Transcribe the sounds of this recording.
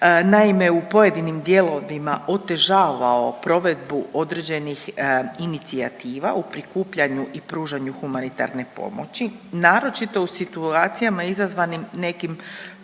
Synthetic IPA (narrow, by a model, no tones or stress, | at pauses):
naime̞upo̞je̞d̪inimd̪je̞lˠo̞ʋimaʔo̞t̪e̞ʒaːʋao̞pɾo̞ʋe̞d̪̚buʔo̞d̪ɾe̞d͡ʑe̞nixinit̪sia̰t̪iːʋa̰upɾikuːpʎaɲuʔipɾuːʒaɲuxumanit̪a̰ɾne̞po̞̰mo̰t͡ɕinaːɾo̞t͡ʃit̪o̞usit̪uaːt̪sijamaizazʋanimne̞kim